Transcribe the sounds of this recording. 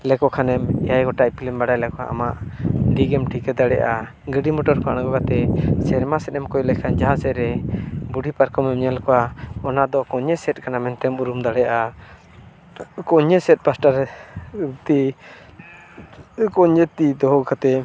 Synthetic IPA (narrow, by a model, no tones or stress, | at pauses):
lɛkɔkʰanɛmɛjajɡɔʈaʔpilimbaɽajlɛkɔa̰ʔa̰maʔɖiɡɛmʈʰikɛd̪aɽɛʔa | ɡəɖimɔʈɔɾkʰaɽ̃ɡɔkat̪ɛsɛɾmasɛt̪ɛmkɔjlɛkʰand͡ʒaɦãsɛʔɾɛbuɖipaɾkɔmɛmɲɛlkɔwaɔnad̪ɔkɔɲɛsɛt̚ˀkanamɛnt̪ɛmuɾumd̪aɽɛjaʔa | kɔɲɛsɛt̚ˀpasʈaɾ | t̪i | kɔɲɛt̪id̪ɔɦɔkat̪ɛ